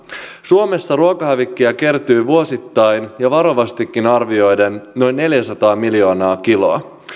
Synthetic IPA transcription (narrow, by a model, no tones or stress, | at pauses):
suo̞me̞sːɑɾuokɑɦæʋikːiɑke̞rt̪ujʋuo̞sit̪ːɑjnjɑʋɑɾo̞ʋɑst̪ikːinɑrʋio̞jde̞nːo̞jnːe̞ljæsɑt̪ɑːmiljo̞ːnɑːkilo̞̰ɑ